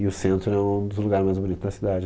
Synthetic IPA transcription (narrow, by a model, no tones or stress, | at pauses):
ɪʊsẽnt̪ɾʊɛũd̪ʊzluɡaɾɪzmajzbʊnit̪ʊzd̪ɐsid̪ad͡ʒɪ